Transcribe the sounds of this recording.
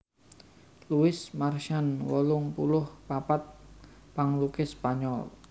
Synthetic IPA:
luɪsmarʃanwɔlʊŋpulʊhpapat̪̚ | baŋlukɪspaɲɔl

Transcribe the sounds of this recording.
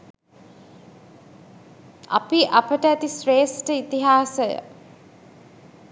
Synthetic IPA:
a̰piʔapəʈəæt̪isɾeːsʈəit̪iɦaːsəjə̰

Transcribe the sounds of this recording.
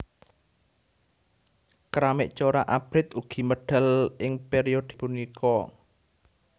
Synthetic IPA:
kɾamɪʔt͡ʃoɾaʔab̥ɾɪt̪uɡ̥i̤məɖ̥ə̤lʔɪŋpeɾiod̪̥i̤punikʰɔ

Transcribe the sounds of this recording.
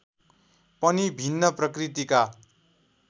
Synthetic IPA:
pʌnibʱinːʌprʌkrit̪ika

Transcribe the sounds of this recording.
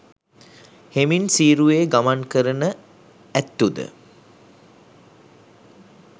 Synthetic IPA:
heminsiːɾueːɡamankəɾənə | æt̪ːud̪ə̰

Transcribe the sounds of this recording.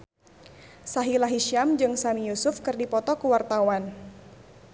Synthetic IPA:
saɦilaɦiʃiamd͡ʒɨŋsamijusʊfkɨrdipɔt̪ɔkuwart̪awan

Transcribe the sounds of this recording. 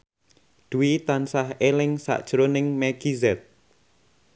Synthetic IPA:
d̪̥uwit̪ansahelɪŋsa̰ʔd̥ʒ̥ɾonɪŋmɛɡ̥izɛt̪̚

